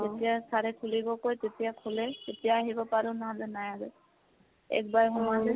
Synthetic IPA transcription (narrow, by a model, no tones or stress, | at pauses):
etijasaɹɛkʰulibɔkojtetijakʰulɛtetijaːɦibɔpaɹʊnaɦãlɛnajalɛ | ɛ̰k̚bajɦɔmazɛ